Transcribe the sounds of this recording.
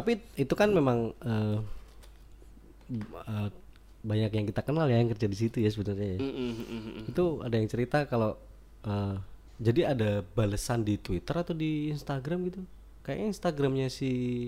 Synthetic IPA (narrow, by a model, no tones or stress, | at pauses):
t̪apiit̪ukanmemaŋəː | ə | baɲakjaŋkit̪akənaljaŋkərd͡ʒadis̬it̪ujas̬əbənərɲaja | it̪ua̰dajaŋt͡ʃəɾit̪akalo | ə | d͡ʒadiadabaləsandit̪wit̪əɾat̪odiːnst̪aɡɾamɡit̪u | kaja̰inst̪aɡɾamɲasɪ